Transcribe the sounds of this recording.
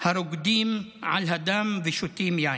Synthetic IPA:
haɾʊɡd̪iːmʕa̰lɦad̪amviʃut̪iːmjaʕn

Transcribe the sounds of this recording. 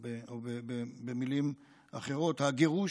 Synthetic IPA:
eobebebemilim | aχe̞ʁo̞t̪haɡe̞ʁu

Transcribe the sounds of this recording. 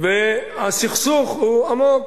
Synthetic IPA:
ve | asiχsuχhuamok

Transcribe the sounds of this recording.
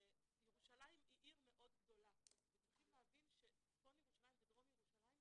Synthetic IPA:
ejeʁuʃalajimiʔiʁme̞ʔo̞dɡdo̞laazeiχimlehavinʃe | tonjeʁuʃalajimvedʁomjeʁuʃalajim

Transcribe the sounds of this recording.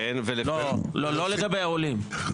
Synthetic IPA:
ɛnvelelolololeɡabeaolim

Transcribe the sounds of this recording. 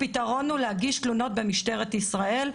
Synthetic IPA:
pit̪aʁo̞nulehaɡiʃtluno̞t̪̚be̞miʃte̞ʁet̪isʁae̞l

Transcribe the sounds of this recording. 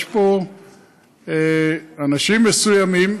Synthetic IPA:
ʃpo | eanaʃimesujamim

